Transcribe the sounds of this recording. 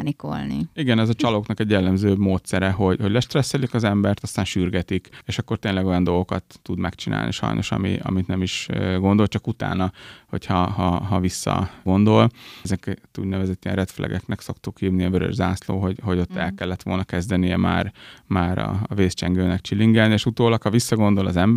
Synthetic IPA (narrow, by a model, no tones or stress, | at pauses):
niko̰lnḭiɡɛnɛzɒt͡ʃɒloknɒkɛɟjɛlːɛmzøːmoːt̪sɛɾɛɦo̞ɟho̞ɟlɛʃt̪rɛsːɛlikɒzɛmbɛrt̪ɒst̪aːnʃyrɡɛt̪ikeːʃɒkːo̞rt̪eːnlɛɡo̞jɒnd̪o̞lɡo̞kɒt̪ːud̪mɛkt͡ʃinʔa̰ːlnʔḭʃɒ̰jnoʃɒ̰mḭʔɒ̰mit̪nɛmiʃɡo̞nd̪o̞lt͡ʃɒkut̪a̰ːnɒho̞̰chɒɦɒɦɒvisːɒ̰ɡo̞nd̪o̞lzɛkt̪ṵɟnɛvɛzɛt̪ːijɛnrɛt̪flʔɛ̰ɡɛ̰knɛkso̞kt̪ukhiːvniɒvøɾø̰ʒzaːslo̰ːɦo̞ɟho̞ɟo̞t̪ːɛlkɛlːɛt̪ʋo̞̰lnɒkɛzd̪ɛnijɛma̰ːrmaːɾɒ̰ɒveːst͡ʃɛŋɡøːnɛkt͡ʃilːiŋɡɛlnieːʃut̪oːlɒkhɒvisːɒɡo̞nd̪o̞lɒzɛmb